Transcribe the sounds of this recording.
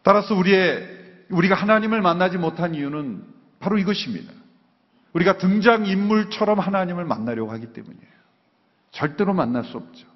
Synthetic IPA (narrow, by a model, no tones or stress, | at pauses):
t͈aɾasʰʌuɾie̞ | uɾiɡahanaɲimɯɭmanːad͡ʑimotʰanijunɯn | paɾoiɡʌɕʰimɲḭda | uɾiɡatɯŋd͡ʑaŋimːuɭt͡ɕʰʌɾʌmhanaɲimɯɭma̰nːaɾjʌɡohaɡit͈e̞̰muɲiejo | t͡ɕʌɭt͈e̞ɾomanːaɭs͈uʌp̚t͡ɕ͈o̥